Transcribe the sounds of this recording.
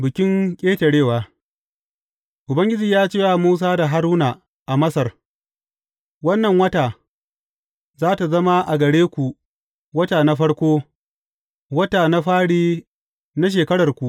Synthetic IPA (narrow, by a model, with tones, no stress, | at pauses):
bɪ˨kʲɪ˦ŋkʲʼeː˦tɐ˨ɽeː˦˨waː˨ | ʔʊ˨bɐ˦ŋɡʲɪ˦d͡ʒiː˨jaː˦t͡ʃeː˦wa˨muː˦s̬aː˦da˨ɦa˦ɾuː˦na˨ | ʔa˨mɐ˦sɐ˨r | wɐ˦nːɐ˨ŋwɐ˦taː˨ | zaː˦ta˨zɐ˦ma˦ʔa˨ɡɐ˨ɽeː˦kʷu˨ | wɐ˦taː˨na˦ɸɐ˦ɽkʷoː˦ | wɐ˦taː˨na˦ɸaː˦ɽiː˦ | na˦ʃ̬eː˨kɐ˦ɽɐ˨rkʷu˨ʔ